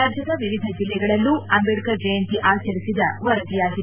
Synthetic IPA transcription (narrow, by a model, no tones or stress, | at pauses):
aːd͡ʒjɐd̪ɐʋiʋid̪ʱɐd͡ʒilːɛɡɐɭɐlːuɐmbeɽikɐd͡ʒɐjɐnt̪iʔaːt͡ʃɐɾisid̪ɐʋɐɾɐd̪ijaːɡi